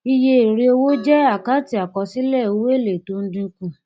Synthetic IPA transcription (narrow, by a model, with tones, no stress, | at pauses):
i˧je˧e˨ɾe˧o˧wo˦d͡ʒɛ˦a˦˨ka˨˦ti˧˦a˨kɔ˧si˦lɛ˦˨o˨˦we˦˨le˨to˨˦n̩˦dĩ˧kũ˧˨